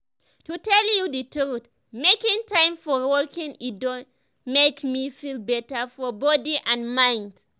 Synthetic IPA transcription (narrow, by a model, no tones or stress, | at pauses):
tutɛljuditut | mekĩŋtãɪ̃mfɔwɔkĩŋidɔ̃ | mekmifilbɛtəfɔbɔdiʔãnmãɪ̃nd̥